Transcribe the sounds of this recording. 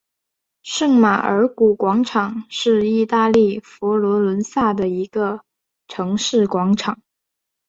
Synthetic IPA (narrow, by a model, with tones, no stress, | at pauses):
ʂɤ˥˩ŋma˨˩ʔə̰˞˧˥ku˨˩kwɑ˧˥ŋʈ͡ʂʰɑ˨˩˦ŋʂɻ̩˥˧i˥˧t̪a˥˧li˥˩fɔ˧˥lwɔ˧˥lwə˧˥nsa˥˩d̪ə˩i˧˥ɡ̥ə˧ | ʈ͡ʂʰɤ˧˥ŋʂɻ̩˥˩kwɑ˧˥ŋʈ͡ʂʰɑ˨˩˦ŋ